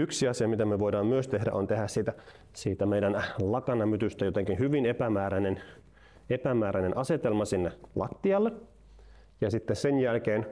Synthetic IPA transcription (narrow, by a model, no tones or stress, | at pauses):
yksiɑsiɑmit̪æmøʋoidɑːmmyøst̪ehdæ̰ʔont̪ehæssiːt̪æ | siːt̪æmeidænlɑkɑnɑmyt̪yst̪æjot̪eŋkinhyʋinepæmæːɾænen | epæmæːɾænenʔɑset̪elmɑsinːelʔɑ̰t̪ːiɑlːe | jɑsit̪ːesenjælkeːn